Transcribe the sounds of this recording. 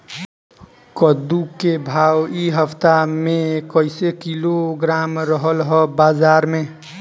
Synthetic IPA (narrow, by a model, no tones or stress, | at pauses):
kəd̪ukebʱawiɦəpʰt̪amekəɪsekiloɡɾamɾəɦəlɦəbazaɾme